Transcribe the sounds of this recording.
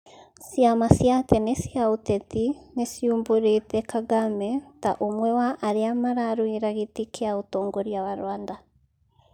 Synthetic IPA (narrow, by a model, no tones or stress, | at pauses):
sjamasjatɛnesiaotɛtinesjumboɾetɛkʰaɡamɛtaʔomwɛwaʔaɾeamaɾaɾwiɾaɣetikʰeaotɔːŋɡɔɾjawaɾw̰aːnda